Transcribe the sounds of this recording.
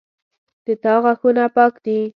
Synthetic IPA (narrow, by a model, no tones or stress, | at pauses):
d̪̥ət̪ɑɣaxunapɑkd̪i